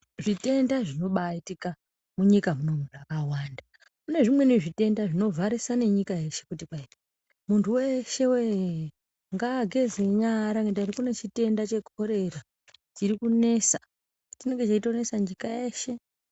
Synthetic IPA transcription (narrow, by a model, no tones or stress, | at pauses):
ʐite̞ndaʐino̞ɓaitika | muɲikamunomuʐakawaːnda | kune̞ʐimwe̞neʐite̞ndaʐino̞vaɾisane̞ɲikaje̞ʃe̞kutipaita | muntʰuwe̞ʃe̞we | ŋɡaɡʱe̞zeɲaɾaŋɡetarikune̞t͡ʃite̞ndat͡ʃe̞kʰo̞ɾe̞ra | t͡ʃiɾikune̞sa | tine̞ŋɡe̞t͡ʃaitone̞saɲd͡ʒikajeːʃe̞